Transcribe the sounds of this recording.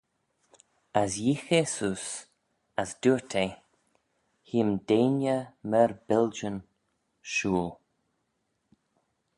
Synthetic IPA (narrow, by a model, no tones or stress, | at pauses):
asjixesuːs | asd̪uːɹt̪ʰe | himdeːnjəməɹbɪld͡ʒən | ʃuːl